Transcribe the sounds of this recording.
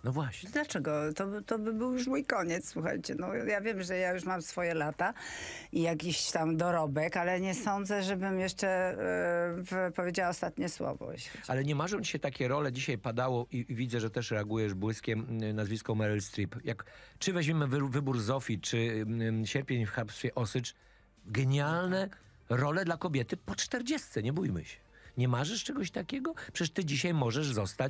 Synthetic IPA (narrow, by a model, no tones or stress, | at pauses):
nɔvwaɕɲd̪lat͡ʂɛɡɔt̪ɔt̪ɔbɘbɘwjuʐwujkɔɲɛt̪sswuxa̰jt͡ɕɛnɔjavʲjɛmʐɛjajuʂmamsfɔjɛlat̪a | ijakʲiɕt͡ɕt̪amd̪ɔɾɔbɛkalɛɲɛsɔnd̪zɛʐɛbɘmjɛʂt͡ʂɛ | pɔvʲjed͡ʑawaɔst̪at̪ɲɛswɔ̰vɔ̰ɕɛalɛɲɛmaʐɔ̃w̃t͡ɕiɕɛt̪akʲɛɾɔlɛd͡ʑiɕajpad̪awɔʔivʲid̪zɛʐɛt̪ɛʂɾɛaɡujɛʐbwɘskʲɛmnazvʲiskɔmɛɾɛlst̪ɾipjakt͡ʂɘvɛʑmʲimɘvvɘbuɾzɔfʲit͡ʂɘɕɛɾpʲjeɲfxapst̪fʲɛʔɔsɘt͡ʂ | ɡɛɲalnɛ | ɾɔlɛd̪lakɔbʲjɛt̪ɘpɔt͡ʂt̪ɛɾd͡ʑɛst̪sɛɲɛbujmɘ̰ɕɛ̥ | ɲɛmaʐɛʂt͡ʂɛɡɔɕt̪akʲɛɡɔpʂɛ̥ɛʂt̪ɘd͡ʑiɕajmɔʐɛʐzɔst̪at͡ɕ